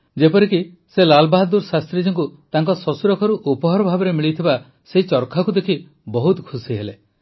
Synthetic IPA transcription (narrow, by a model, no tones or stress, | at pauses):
d͡ʒepɔɾiki | selalbaɦd̪uɾsast̪ɾid͡ʒɔŋkut̪aŋkɔsɔsuɾɔkʰɔɾuʔupɔɦɔɾɔbʱabɔɾemiɭit̪ʰiba | seɦit͡ʃɔɾkʰakud̪ekʰi | bɔɦut̪kʰusiɦele